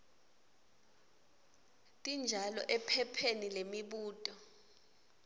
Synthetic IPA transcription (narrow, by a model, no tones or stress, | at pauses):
tʼind͡ʒʱalɔ̰ʔɛpʰɛpʰenilemiɓuːtʼɔ